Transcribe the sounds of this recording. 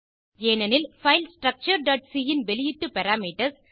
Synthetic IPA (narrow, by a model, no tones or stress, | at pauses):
eːnɐnɪlfɐɪlsʈɾɐk̚t͡ʃɐɾɖɐːʈsijɪnbɛlɪjɪʈːɨpɛɾaːmiːʈɐs